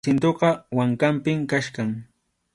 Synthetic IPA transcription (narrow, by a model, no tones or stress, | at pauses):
ɪnt̪oqɑwaŋkampɪmkaʃkaŋ